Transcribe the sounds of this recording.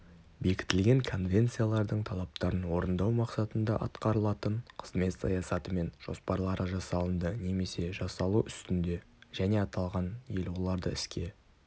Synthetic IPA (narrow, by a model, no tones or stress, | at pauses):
be̞kʲɪ̥t̪ɪlɡʲe̞ŋkʰo̞nvʲe̞nt̪sijalˠɑɾd̪əɴt̪ʰɑlˠɑp̚t̪ɑɾənwo̞ɾənd̪ɑwmɑqsɑt̪ənd̪ɑʔɑ̰t̪qɑɾəlˠɑt̪əɴqʰə̥z̥me̞t̪sɑjɑsɑt̪əme̞nʒ̥o̞̰spɑɾlˠɑɾəʒɑsɑlˠənd̪əne̞me̞se̞ʒɑsɑlˠuʔʏst̪ɪnd̪e̞ | ʒæne̞ɑt̪ɑlˠʁɑnje̞lwo̞lˠɑɾd̪əɪskʲe̞